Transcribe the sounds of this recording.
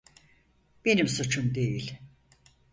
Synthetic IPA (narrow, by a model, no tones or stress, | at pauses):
b̥enimsut͡ʃʰund̪ejilʲ